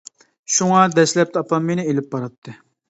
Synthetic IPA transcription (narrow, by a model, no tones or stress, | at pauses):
ʃuŋɑd̪ɛʃlɛp̚t̪ɑpɑmːenɪelɪpːɑɾɑt̪ʰːɨ